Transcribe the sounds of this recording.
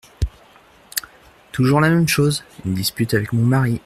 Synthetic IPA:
t̪uʒuʁlamɛmʃozynd̪ispyt̪avɛkmɔ̃maʁi

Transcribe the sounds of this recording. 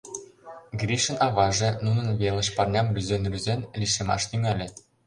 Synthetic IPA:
ɡrʲiʃɤ̆nɑβɑʒĕnunɤ̆nβelə̆ʃpɑrnʲɑmrʲyzenryzenlʲiʃemɑ̰ʃt̪yŋælʲĕ

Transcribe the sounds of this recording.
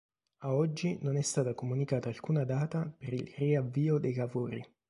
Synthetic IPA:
aɔd͡ʒːinonɛst̪aːt̪akomunikaːt̪aːlkuːnad̪aːt̪apeɾilriavːiːod̪ejlavoːɾḭ

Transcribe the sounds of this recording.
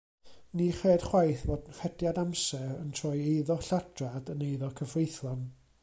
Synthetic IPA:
niχeːd̥χwajθvoːdnfɛdjadamsɛrəntʰrɔjejðɔɬad̥radənejðɔkʰəvrejθlɔn

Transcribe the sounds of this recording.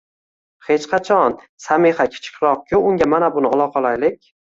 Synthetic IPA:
he̞t͡ʃqʰɑt͡ʃʰɒn | sameχakʲʰɪ̥t͡ʃʰɪ̥kʲʰɾɒq̚kʲʰʊʊŋɡʲamanabʊnɪɒlˠɒqʰɒlajlɪk̚ʲ

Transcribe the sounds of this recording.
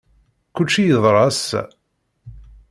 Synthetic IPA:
kut͡ʃːijəðˤɾˤɑs

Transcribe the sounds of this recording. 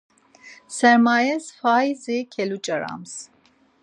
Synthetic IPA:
sɛɾmajɛsfajzikʰɛlut͡ʃʼəɾa̰ms

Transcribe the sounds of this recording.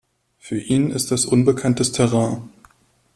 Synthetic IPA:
fyːɐʔiːnɪ̰st̚d̥asʔʊnbəkʰantəstʰɛʁãː

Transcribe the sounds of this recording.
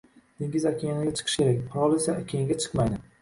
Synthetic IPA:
d̪̥eŋʲɪzakʲʰejanɪɡʲat͡ʃʰɨ̥qʰɨ̥ʃkʲʰe̞ɾak̚ʲqʰʊɾɒlˠesaakʲejaŋɡʲat͡ʃʰɨ̥qmajd̪ɪ

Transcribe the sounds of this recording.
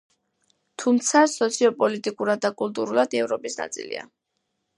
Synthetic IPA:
t̪ʰumt̪sʰasɔt̪sʰiɔpʼɔlit̪ʼikʼuɾad̪ːakʼulˠt̪ʼuɾulˠad̪iɛvɾɔpʼisna̰t̪sʼḭlḭa̰

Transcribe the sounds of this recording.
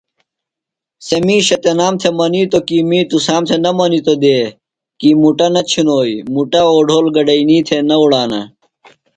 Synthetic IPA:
semiːɕɐt̪enaːmt̪ʰemɐnit̪okimit̪usaːmt̪ʰenɐmɐnit̪od̪eː | kimuʈɐnɐt͡ɕʰunoːimuʈɐoːɖʱoːlɡɐɖɐiniːt̪ʰenɐuɽaːnɐ̰

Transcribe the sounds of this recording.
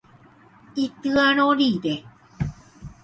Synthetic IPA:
it̪ɯanoɾid̪e

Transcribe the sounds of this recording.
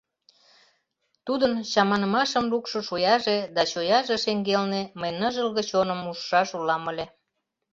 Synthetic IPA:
t̪ud̪ənɕɑmɑnəmɑʃə̆mlukʃŏʃujɑʒed̪ɑt͡ɕojɑʒeʃeŋɡelneməjnəʒəlɣə̆t͡ɕonəmuʃːɑʃulɑməlʲe

